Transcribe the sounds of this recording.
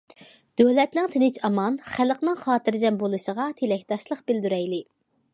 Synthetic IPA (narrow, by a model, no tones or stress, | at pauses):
d̪̥ølɛt̪nɪŋt̪ʰɪnɪt͡ʃɑmɑnχæləqnɨŋχɑːt̪ɨɾd͡ʒɛmbolˠuʃəʁɑt̪ʰelɛk̚ʲt̪ɑʃlˠəqbɪld̪yɾɛjlɪ